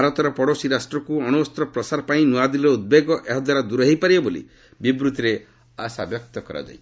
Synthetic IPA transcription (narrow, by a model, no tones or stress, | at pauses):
bʱaɾɔt̪ɔɾɔpɔɽosiɾasʈɾɔkuɔnuɔst̪ɾɔpɾɔsaɾɔpaĩnuad̪iɾɔud̪̚beɡɔʔeɦɔd̪waɾad̪uɾɔɦejpaɾibɔbolḭ | bibɾut̪iɾe | asa̰bjɔk̚t̪ɔkɔɾa̰d͡ʒa̰j